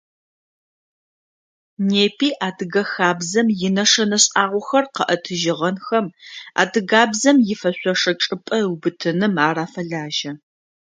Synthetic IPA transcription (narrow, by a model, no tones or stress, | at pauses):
neːpʰiːʔaːdɨɡɐxaːbzɐmjɪnɐʂɐnɐɕʼaːʁʷɔxɐrqɐʔɐtʰɨʒɪʁɐnxɐma̰ːdɨɡaːbzɐmjɪfɐɕʷɔʂɐʈ͡ʂʼɨpʼɐwbɨtʰɨnɨmaːraːfɐɮaːʒɐ